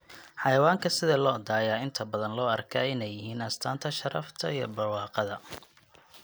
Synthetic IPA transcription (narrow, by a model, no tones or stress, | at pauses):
ħɑjɐwaːŋkʰɐsɪðɐlɔːd̪aːjaːɪnt̪ʰɐbɐðɐnlɔːɐrkʰaːɪnɛjːɪɦiːnɐst̪ʰaːnt̪ʰɐʃɐɾɐ̰ft̪ʰɐ̰ijɞ̰bɐwɑːqɑðɐ